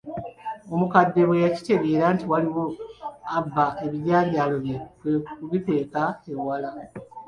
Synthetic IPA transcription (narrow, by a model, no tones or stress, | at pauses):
o̞mukadːe̞βwejaci̥te̞ɡe̞ːɾantiwaliwo̞abːae̞βiɟaːβjaːlo̞βeuβipe̞ːkaewala